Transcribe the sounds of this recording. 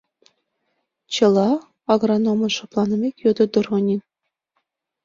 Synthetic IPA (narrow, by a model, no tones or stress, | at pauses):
t͡ɕɤ̆lˠɑ | ɑɡronomɤ̆nʃoplˠɑnɤ̆mʲekʲjod̪ɤ̆d̪ŭrʁɤ̆nʲin